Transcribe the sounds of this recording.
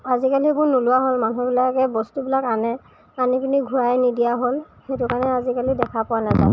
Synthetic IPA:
azikalibʊɹnulʊwaɦolmanubilakɛbɔstubilakanɛ | anikiniɡʱʊɹajnidijaɦol | xetʊkanɛazikalidɛkʰapʊwanaza̰

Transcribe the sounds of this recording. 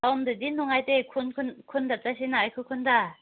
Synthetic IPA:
aumdɯdinuŋajt̪ekʰunkʰɯnkʰundat͡s͈aɕ̬inaikʰɯkʰunda

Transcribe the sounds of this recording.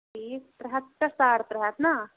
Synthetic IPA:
ipɾɐɦat̪ːɐst̪aːɾpɾɐɦaːt̪na

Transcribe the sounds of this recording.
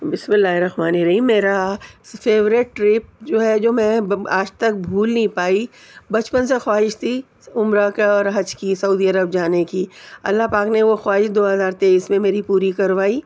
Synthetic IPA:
bɪsmɪlːaːɦiɾɐhmaːniɾɐɦiːmːeːɾafeːʋɾɪʈːɾɪːp̚d͡ʒoːɦɛd͡ʒoːmɛ̃aːd͡ʒt̪ɐk̚bʱuːlnɐɦĩpaːi | bɐt͡ʃpənsexwaːɦɪʃt̪ʰi | ʊmɾakaɔːɾɦɐd͡ʒkisɐuːd̪iɐɾəb̚d͡ʒaːnekiɐ̰lːaɦpaːkneʋoxwaːɦɪʃd̪oːɦɐzaːɾt̪eːiːsmẽmeːɾipuːɾikɐɾʋaːiː

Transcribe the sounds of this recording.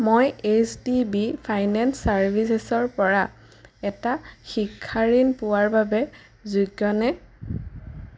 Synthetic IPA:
mojesdibipʰajnɛnsaɹbʱisesɔɹpɔɹa | ɛtaxikʰːaɹinpʊwaɹbabɛ | zuɡjɔnɛ

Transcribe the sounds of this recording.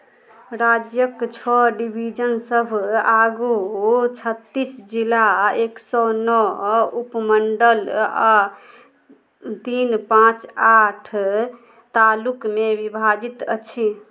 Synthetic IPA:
ɾad͡ʒjəkt͡ʃʰɔɖibʱid͡ʒənsəbʱaɡut͡ʃʰət̪ːisd͡ʒilaeksɔnɔupməɳɖəla | t̪inpãt͡ʃaʈʰ | t̪alukmebibʱad͡ʒit̪ə̰t͡ʃʰi

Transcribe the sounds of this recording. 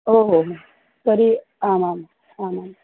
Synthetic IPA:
oɦoɦ | t̪əɾi | amam | amam

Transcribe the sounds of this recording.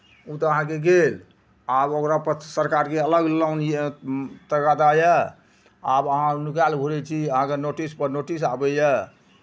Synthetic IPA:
ut̪ɔəɦãkeɡel | abokɾapəsəɾkaɾkeələɡlawnjet̪əɡad̪ajə | abəɦãnukalbʱuɾɛt͡ʃʰiəɦãkenoʈispəɾnoʈisabɛjə

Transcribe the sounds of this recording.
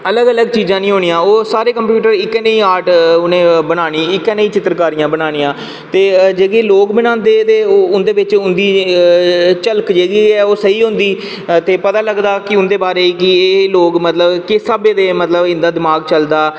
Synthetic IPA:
ələɡələɡt͡ʃiːzãːnĩːɦoːɳijãːoːsaːɾeːkəmpjuːʈəɾɪkːɛːneiːaːɾʈʊnẽːbənaːɳ̃iːɪkːɛːneiːt͡ʃɪt̪ɾkaːɾɪjãːbənaːñijãː | t̪eːd͡ʒeːɡeːloːkbɪnãːnd̪eːd̪eːoːʊnd̪eːʋɪt͡ʃʊ̃nd̪iː | t͡ʃəlkd͡ʒeːɡiːɛːoːsəiːɦʊ̃nd̪iː | t̪eːpət̪aːləɡd̪aːkɪʊ̃nd̪eːbaːɾeːiːkɪeːloːkmət̪ləbkɪsəbeːd̪eːmət̪ləbɪ̃nd̪aːd̪ɪmaːɡt͡ʃəld̪aː

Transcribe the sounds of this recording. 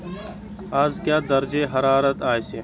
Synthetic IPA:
aːzkjaːd̪ɐɾd͡ʑeːɦɐɾaːɾɐt̪aːjse

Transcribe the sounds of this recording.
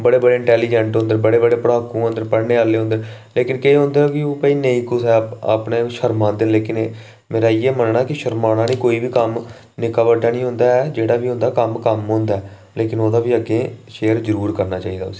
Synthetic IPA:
bəɽeːbəɽeːɪ̃ɳʈɛːliːd͡ʒəɳʈɦõnd̪əɾbəɽeːbəɽeːpəɽaːkũːɦõːnd̪əɾpəɽɳeːaːleːɦõnd̪əɾleːkɪnkeiɦõːnd̪eɾkɪoːpəiːnẽĩːkʊsɛːa̰pneːʃəɾmãːnd̪ɪnleːkɪn | meːɾaːiːeːmənnaːkɪʃəɾmaːnaːnĩːkoːiːʋiːkəm | nɪkaːʋəɖaːnĩːɦʊ̃ːnd̪aːɛd͡ʒeːɽaːʋiːɦʊ̃ːnd̪aːkəmkəmɦõːnd̪aɛː | leːkɪnoːd̪aːʋiːəɡeːʃeːəɾzəɾuːɾkəɾnaːt͡ʃaːiːd̪a̰ːʊsi̥ː

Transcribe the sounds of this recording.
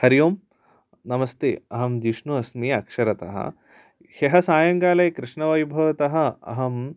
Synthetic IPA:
hɐɾijoːm | nɐmɐst̪ḛːɐɦɐmd͡ʒiʂnuɐsmiːɐkʂɐɾɐt̪ɐ̰ɦɐ̰ | heɦɐsaːjɐŋɡaːlɐjkɾɪʂɳɐʋɐjbʱɐʋɐt̪ɐɦɐ̆ɐ̰ɦɐm

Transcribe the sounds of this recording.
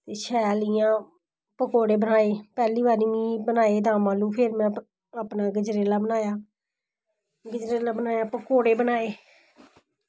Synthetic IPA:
t̪eːʃɛːlɪjãː | pəkoːɽeːbənaːeːpɛːliːbaːɾiːĩːbənaːeːd̪aːmãːlũːpʰeːɾmɛ̃ː | aːpnaːɡəd͡ʒɾeːlaːbənaːjaː | ɡəd͡ʒɾeːlaːbənaːjaːpəkoːɽeːbənaːeː

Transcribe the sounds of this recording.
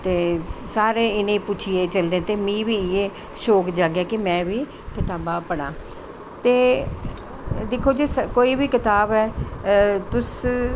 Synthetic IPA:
t̪eːsaːɾeːɪnẽiːpʊt͡ʃʰijeːt͡ʃəld̪ẽːt̪eːmĩːʋiːɪjeː | ʃoːkd͡ʒaːɡɛːkɪmɛ̃ːʋiː | kɪt̪aːbãːpəɽ̃ãː | t̪eː | d̪ekʰoːd͡ʒiskoːiːbiːkɪt̪aːbɛː | t̪ʊs

